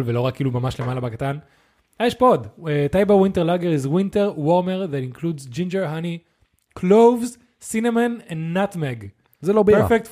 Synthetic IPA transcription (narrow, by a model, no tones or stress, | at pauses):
lvelo̞ʁakːiːlumamaʃlemalabakatan | ajɛʃpodetajbawĩnteʁlaɡeʁizwĩnteʁwoʁmeʁðatĩnkʰludzd͡ʒĩnd͡ʒeʁɦani | kʰlovz | sinemãnɛ̃ndːatmeɡ | zelobfek̚t